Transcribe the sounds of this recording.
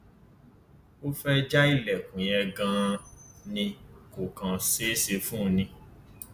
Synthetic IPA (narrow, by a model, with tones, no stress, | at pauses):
o˦fɛ˦d͡ʒa˦i˦˨lɛ˨kũ˨jɛ˧ɡã˦nĩ˧ko˨kã˨˧se˦se˧fũ˦˧nĩ˧